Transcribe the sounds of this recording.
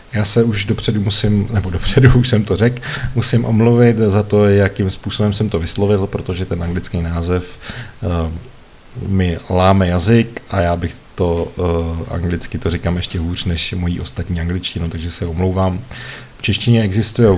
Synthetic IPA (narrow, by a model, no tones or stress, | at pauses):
jaːsɛuʒdopr̥ɛdumusɪmnɛbo̞do̞pr̝̥ɛduːʃsɛmt̪o̞rɛkmusɪmʔo̞mluvɪt̪zat̪o̞jakɪmspuːso̞bɛmsɛmt̪o̞vɪslovɪlpɾo̞t̪o̞ʒɛt̪ɛnʔaŋɡlɪt͡skejnaːzɛf | mɪlaːmɛjazɪkʔajaːbɪxt̪o̞ | ʔa̰ŋɡlɪt͡skɪt̪oɾɪkamʔɛʃcɛɦuːr̝̥nɛʃmo̞jiːʔo̞st̪at̪ɲiːaŋɡlɪt͡ʃcɪnowt̪aɡʒɛsɛo̞mlo̞wvaːmft͡ʃɛʃcɪɲɛɛɡzɪst̪ujɛ